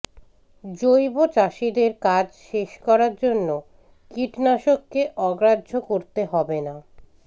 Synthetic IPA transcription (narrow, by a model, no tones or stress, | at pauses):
d͡ʑojbot͡ɕaʃid̪eɾkad͡ʑʃeʃkɔɾaɾd͡ʑonːo | kiʈnaʃokːeʔɔɡɾadːd͡ʑʱokoɾt̪eɦɔbena